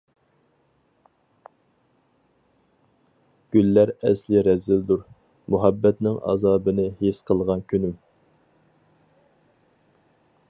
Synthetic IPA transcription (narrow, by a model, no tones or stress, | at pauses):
ɡ̥ʲylːæɾɛ̰slɪɾɛzːɪld̪uɾ | muɦæbːɛt̪nɪŋʔɑ̰ːzɑːbɨnɨhesqʰəlˠʁɑnkʲʰynym